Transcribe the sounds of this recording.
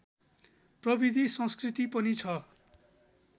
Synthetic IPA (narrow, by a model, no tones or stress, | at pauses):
prʌbid̪ʱisʌ̃skrit̪ipʌnit͡sʰʌ